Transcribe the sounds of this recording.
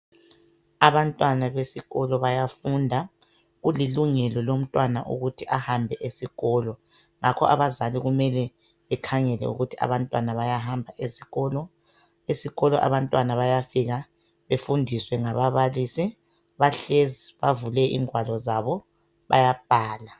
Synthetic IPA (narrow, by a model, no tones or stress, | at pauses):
aβantʼwanaβesiɣɔlɔβajafundʱa | ɣuliluŋɛlɔlom̩tʼwana̰ʔṵɣutʰiʔahambʱɛʔesiɣɔːlɔ | ŋakʰɔ̰ʔaβazaliɣumɛlɛ | βɛkʰaŋɛlɛ̰ṵɣutʰia̰βantʼwanaβajaɦambʱaʔesiɣɔlɔ | esiɣɔlɔʔa̰βantʼwanaβajafiɣa | βefundʱiswɛŋaβaβalisi | βaɬeziβavulɛʔḭːŋʱwalɔzaβɔ | βa̰jab̥̚ʱaːla